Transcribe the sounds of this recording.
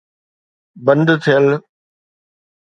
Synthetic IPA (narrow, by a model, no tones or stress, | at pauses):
bə̃nd̪t̪ʰijəl